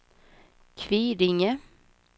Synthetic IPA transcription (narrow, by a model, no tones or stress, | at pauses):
kʰviːɾɪŋə